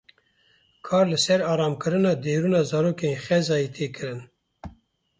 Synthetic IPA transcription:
kʰɑːɾlɨsɛɾɑːɾɑːmkɨɾɨnɑːd̪eːɾuːnɑːzɑɾoːkexɛzɑːjit̪ʰeːkʰɨɾɨn

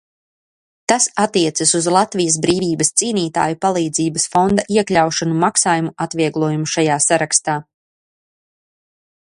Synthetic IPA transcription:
t̪asat̪ːiɛt̪sasuzlˠat̪vijɐs̬bɾiːviːbɐst̪siːniːt̪a̰ːjupalˠiːd̪ziːbɐsfond̪aʔiɛkʎʲawʃanumaksaːjumuʔat̪viɛɡlˠuɔjumuʃajaːsaɾakst̪aː

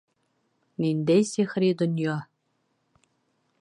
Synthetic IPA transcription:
nind̪ejsʲexɾʲid̪onʲjɑ

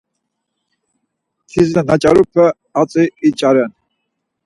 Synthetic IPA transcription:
t̪ʰiznanat͡ʃʼaɾupʰɛ | at͡sʼiːt͡ʃʼaɾɛn

